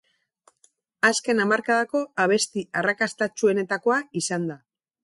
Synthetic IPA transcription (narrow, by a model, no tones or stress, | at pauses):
aske̞namaɾkaðako̞aβ̞e̞st̪iarakast̪at͡ʃue̞ne̞t̪ako̞aisand̪a